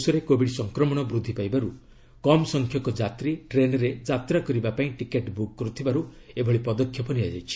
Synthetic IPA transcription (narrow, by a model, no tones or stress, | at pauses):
sɔɾekobiɽisɔŋkɾɔmɔɽ̃ɔbɾud̪ʱːipajbaɾu | kɔmɔsɔŋkʰjɔkɔd͡ʒat̪ɾiʈɾenɔɾed͡ʒat̪ɾakɔɾibapaĩʈikeʈbukːɔɾut̪ʰibaɾu | ebʱɔɭipɔd̪ɔkʰːjɔpɔniad͡ʒajt͡ʃʰi̥